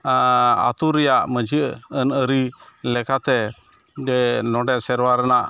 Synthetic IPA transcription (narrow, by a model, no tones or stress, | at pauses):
a̰t̪uɾɛjaʔməd͡ʒiʔənəɾilɛkat̪ɛ | d͡ʒɛnɔɖɛʔsɛɾwaɾɛnaʔ